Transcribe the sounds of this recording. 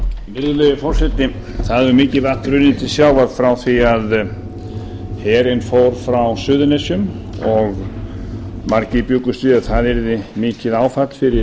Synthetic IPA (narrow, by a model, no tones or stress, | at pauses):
mɪɾðlœjɪfɔr̥sɛt̪nɪ | θaðʏɾmɪːcɪðvat̪ɾʏnːɪt̪ʰɪlsjaːwvaɾ̥fɾawθiað | hɛːɾɪnfoːwɾ̥fɾawsʏːðʏnɛsjʏm | ɔɣ | maɾcɪpjʏːkʏst̪viðaθaðɛɾðɪmɪːcɪðaːwfat̪l̥fɪɾɪ